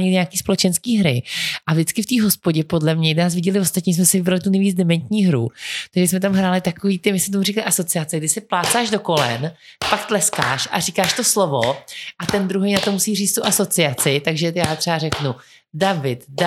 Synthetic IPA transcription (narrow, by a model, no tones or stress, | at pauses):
ɲiɲaːkiːspo̞lɛt͡ʃɛnskiːɦɾɪʔavʒdɪt͡skɪft̪iːɦo̞spoɟɛpo̞dlɛmɲɛnaːs̬vɪɟɛlɪvost̪at̪ɲiːs̬mɛsɪvɪbɾalɪt̪unɛviːd͡zdɛmɛnt̪ɲiːɦɾṵt̪aɡʒɛsmɛt̪̬amɦɾaːlɪt̪akoviːt̪ɪmɪsɛt̪omurɛkalɪʔaso̞t͡sɪat͡sɛɡ̚dɪsɪplaːt͡saːʒdo̞ko̞lɛ̰nfakt̪lɛska̰ːʃʔa̰riːkaːʃt̪oslo̞voʔat̪ɛnd̪ɾuɦɛjnat̪omusiːriːt͡st̪uʔaso̞t͡sɪat͡sɪt̪aɡʒɛjaːt̪r̥ɛarɛknu | davɪt̪d